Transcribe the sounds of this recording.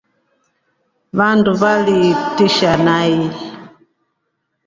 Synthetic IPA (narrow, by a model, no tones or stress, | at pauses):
βanduβalitiʃanai